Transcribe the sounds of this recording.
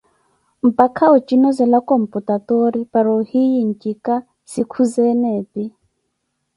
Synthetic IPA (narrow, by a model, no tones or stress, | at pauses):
m̩pʼakʰaɔt͡ʃʼinɔzɛlakʼɔm̩pʼutat̪ɔɾipaɾɔhijin̩t͡ʃʼika | sikʰuzɛnɛːpʼi